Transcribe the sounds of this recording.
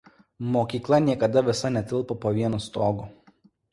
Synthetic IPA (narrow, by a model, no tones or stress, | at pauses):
moːkʲiːklˠɐnʲiɛkɐd̪ɐʋʲɪsɐnʲɛt̪ʲɪlˠpopoːʋʲiɛnust̪oːɡʊ